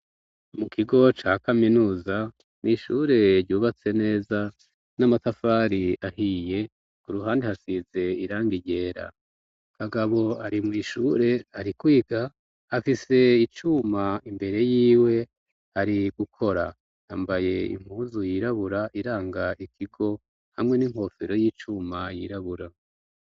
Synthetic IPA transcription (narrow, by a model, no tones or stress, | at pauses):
mukʰiɡo̞t͡ʃaːkaminuːza | niʃuːɾe̞ɾɟuːβat͡se̞ne̞ːza | namatafaːɾiahije̞ | kuɾuɦaːndihasize̞iɾaːŋɡiɟe̞ːɾa̰ | haɡaβo̞aɾimŋiːʃuɾe̞aɾikwiːɡ̥a | afise̞it͡ʃumaimbe̞ɾe̞jiːwe̞ | aɾiɡ̥ukʰo̞ɾa̰ | ambaje̞ḭŋ̥huːzujiɾaβuɾaʔiɾaːŋɡaʔikʰiɡo̞ | hamŋe̞niŋho̞ːfeɾo̞jiːt͡ʃumajḭɾaβuɾa